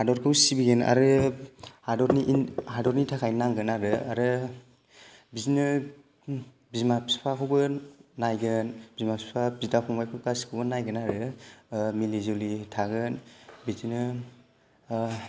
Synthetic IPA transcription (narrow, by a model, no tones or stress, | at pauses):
hadɔɾkʰɯwsibiɡena̰ɾɯ | hadɔɾniʔhadɔɾnitʰakʰajnaŋɡɯnaɾɯaɾɯ | biznɯ | bizmapʰspʰakʰɯwbɯnajɡɯnb̥izmapspʰabizdapʰɔŋbajkʰɯwkaskʰɯwbɯnajɡɯnaɾɯ | milizolitʰaɡɯnbizinɯ